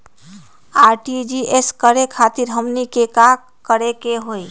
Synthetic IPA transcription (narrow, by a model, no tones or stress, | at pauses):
aɾʈid͡ʒieskəɾekʰat̪iɾɦəmnikeka | kəɾekeɦoj